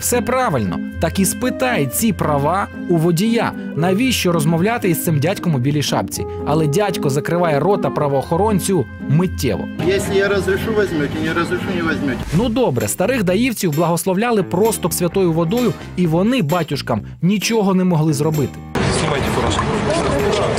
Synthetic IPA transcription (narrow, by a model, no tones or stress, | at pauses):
wsɛpɾɑʋɪlʲnɔ̰t̪ɐkispɪt̪ɑjɛt͡sʲipɾɐʋɑ | uʋɔdʲija̰ | nɐjʋʲiʃt͡ʃɔɾɔzmɔwlʲat̪ɪist̪ɪmdʲatʲkɔmʊbʲilʲijʃɑ̰pt͡sʲḭ | ɐlˠɛdʲatʲkɔzɐkɾɪʋɑjɛrɔt̪ɐpɾɐʋɔːxɔɾɔnʲt͡sʲiʊ | mɪtʲːɛ̰ʋɔ̰jɛsʲlʲɪjaɾɔzɾɪʃuʋɛzʲmʲutʲinʲɛɾɔzɾɪʃunʲɛʋɛzʲmʲutʲnud̪ɔbɾɛ̰st̪ɐɾɪxd̪ɐjiwt͡sʲiwblˠɐɦɔslˠɔwlʲɑlˠɪpɾɔst̪ʊpsʲʋʲɐt̪ɔjʊʋɔd̪ɔjʊ | iʋɔnɪbɑtʲʊʃkɐm | nʲit͡ʃɔɦɔnɛmɔɦlˠɪzrɔbɪt̪ɪ̥sʲimajt̪ʲɛkɔɾɔʃkɔ